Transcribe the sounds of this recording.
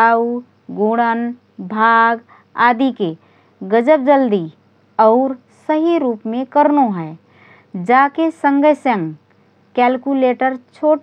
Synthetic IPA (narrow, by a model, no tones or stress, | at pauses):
au | ɡuːɽən | bʱaːɡ | aːd̪ike | ɡəd͡ʒəp̚d͡ʒəld̪i | ɔːɾ | səɦiɾuːpmẽkəɾnoɦɛː | d͡ʒaːkesə̃ŋɡəsə̃ŋ | kɛːlkuleːʈəɾt͡ʃʰoːʈ